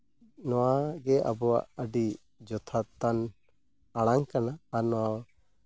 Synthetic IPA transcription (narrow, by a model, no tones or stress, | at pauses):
nɔwaɡɛʔa̰bɔa̰əɖi | d͡ʒɔt̪ʰat̪an | aɽaŋkanaːɾnɔwaw